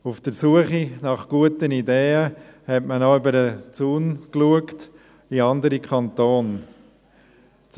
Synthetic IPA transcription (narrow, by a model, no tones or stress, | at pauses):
ufd̥əɾsuəχinɑχɡ̥uətənideːəhɛtmənɔʏbəɾət͡suːnkluəkt | iɑndəɾikʰɑnt̪oːn